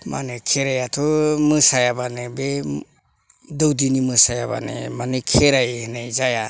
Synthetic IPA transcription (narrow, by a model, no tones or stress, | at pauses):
ma̰nɯkʰeɾajatʰɔmɯsajabanebe | dɔwdinimɯsajaba̰nḛmanɯkʰeɾajhɯnejzaja